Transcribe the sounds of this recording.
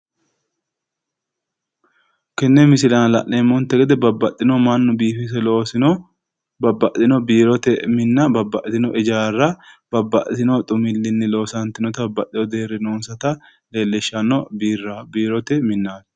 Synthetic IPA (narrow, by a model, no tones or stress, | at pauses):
kɛnːɛmɪsɪlɐnlɐ̰ʔneːmɔnt̪ːɛɡɛd̪ɛbɐbːɐt̪ʼːɪnɔmɐnːʊbiːfɪs̬ɛloːsɪnɔ | bɐbːɐʔɪnɔbiːɾɔt̪ɛmɪnːɐbɐbːɐʔt̪ɪnɔʔɪd͡ʒaːrːɐb̥ɐbːɐʔt̪ɪnɔt̪ʼʊmɪlːɪnːɪlo̞ːsɐnt̪ɪnɔt̪ɐbːɐt̪ʼːɪjɔd̪e̞ːɾɪnoːnsɐt̪ɐ | le̞ːlːɛʃːɐnɔbiːrːabiːɾɔt̪ɛmɪnːaː